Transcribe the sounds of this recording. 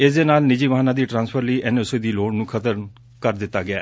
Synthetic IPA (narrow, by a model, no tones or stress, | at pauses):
eːsd̪eːnaːlnɪd͡ʒiːʋəɦaːnãːd̪iːʈɾãːnspʰəɾliːʔɛnoseːd̪iːloːɽnũːkʰət̪əɾ | kəɾd̪ɪt̪ːaːɡɪa̰ː